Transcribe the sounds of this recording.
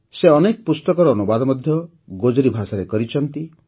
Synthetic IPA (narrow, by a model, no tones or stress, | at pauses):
seɔnekɔpust̪ɔkɔɾɔːnubad̪ɔmɔd̪ʱjɔ | ɡod͡ʒɔɾibʱasaɾekɔɾit͡ʃʰɔnt̪i